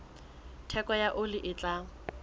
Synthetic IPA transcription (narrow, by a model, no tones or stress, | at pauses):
tʰɛkɔjaʔʊlɪʔɪt͡ɬʼaːŋ̩